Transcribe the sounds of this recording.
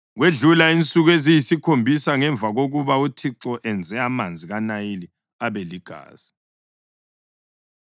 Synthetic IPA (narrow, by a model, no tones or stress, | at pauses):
ɣweɮulaint͡sʼuɣezijisikʰombʱisaŋɛɱb̪vʱaɣoɣuβautʰiǁɔʔɛnd͡zʱɛamand͡zʱiɣanaili | aβɛliɡ̥ʱa̰ːz̥i